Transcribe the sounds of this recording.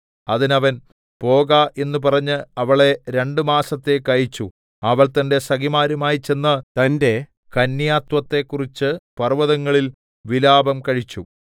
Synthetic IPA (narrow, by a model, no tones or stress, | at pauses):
ɐðinɐʋɐn | po̞ːɣaʔe̞nːup̬ɐrɐɲːɨɐʋɐɭe̞ɾe̞ɳɖɨmaːsɐt̪ːe̞kɐɻit͡ɕːu | ɐʋɐɭt̪ɐnde̞sɐɣimaːɾumaːjit͡ɕe̞nːɐt̪ɐnde̞ | kɐnːjaːt̪wɐt̪ːe̞kːurit͡ɕːɨpɐrʋɐðɐŋːɐɭil | ʋilaːbɐmkɐɻit͡ɕːu